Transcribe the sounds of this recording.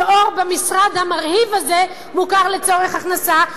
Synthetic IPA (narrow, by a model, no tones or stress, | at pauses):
oʁbemisʁad̪hamaʁhivaze | mukaʁlet͡so̞ʁeχaχnasa